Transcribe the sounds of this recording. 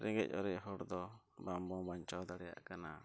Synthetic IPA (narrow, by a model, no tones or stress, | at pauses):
ɾɛŋɡɛc̚ˀɔɾɛʔɦɔɽd̪ɔbambɔbaɲt͡ʃɔwd̪aɽɛja̰ʔkana